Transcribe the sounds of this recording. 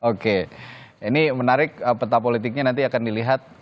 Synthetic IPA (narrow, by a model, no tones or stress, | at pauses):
oke | inimənaɾɪk̚əpət̪apolit̪̬ɪk̚ɲanant̪̬iakandiliɦat̪̚